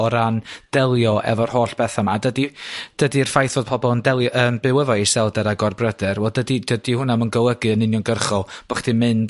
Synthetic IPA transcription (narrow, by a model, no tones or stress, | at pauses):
ɔɾand̥ɛlˠjɔɛ̰vɔrhoːɬb̥ɛθamadədid̥ədir̥fajθoːd̥̚pʰɔbɔlˠəndɛlˠjɔʔəmbɨwəvɔisɛlˠdɛɾaɡɔrbrədɛrwɛlˠdədid̥ədihʊnamənɡəwˠəɡɨənɪnjɔnɡərχɔb̥əχd̥imɨnd